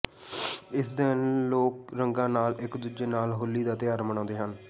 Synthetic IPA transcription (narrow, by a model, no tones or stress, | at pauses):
ɪsd̪ɪnloːk̚ɾəŋɡãːnaːlɪkd̪uːd͡ʒeːnaːlɦʊlːiːd̪aːt̪ɪjaːɾməɳãːnd̪eːɦən